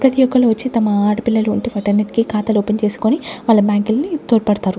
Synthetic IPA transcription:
pɾɐt̪ijɔkːɐluʋɐt͡ʃːit̪ɐmɐaːʈpilːɐluuɳʈiʋɐʈɐɾniʈkikaːt̪ɐloːpɐnt͡ʃe̞ːsi̥koniʋaːɭːɐbjaːŋkilnit̪oːɾpɐɽɐt̪aːɾu

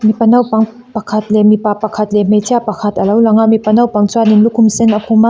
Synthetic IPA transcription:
mipɐnɐwpaŋ | pɐkʰɐt̪̚lɛmipapɐkʰɐt̪̚lɛm̥ejtʰiapɐkʰɐt̪ɐlɐwlaŋamipɐnɐwpaŋt͡suaninlukʰumsɛnɐkʰuma

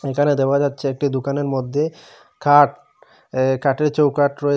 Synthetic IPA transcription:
ekʰaned̪eoad͡ʑatːɕʰeek̚ʈid̪okaneɾmod̪ʱːe | kaʈ | kaʈeɾt͡ɕowkaʈɾoe

